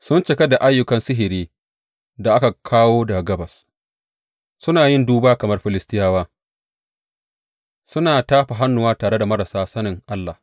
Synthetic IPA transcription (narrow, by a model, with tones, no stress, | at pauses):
sʊ˦nt͡ʃɪ˨ka˦da˨ʔa˦jːʊ˨kɐ˨nsɪ˦ɦɪ˨ɾiː˦ | da˨ʔa˦ka˨kʰaː˦woː˦da˨ɡɐ˦bɐ˨s | sʊ˦naː˨jɪ˦nduː˦baː˦kɐ˨mɐ˦rɸɪ˨lɪ˦stɪ˦jaː˦waː˦ | sʊ˦naː˨taː˦ɸa˨ɦa˦nːʊ˨waː˦taː˨ɽe˦da˨mɐ˦ɾa˨saː˦sɐ˦nɪ˨ŋʔa˦lːa˨h